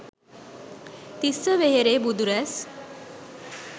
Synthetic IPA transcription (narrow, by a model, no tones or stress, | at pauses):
t̪isəʋeɦeɾeːbud̪uɾæs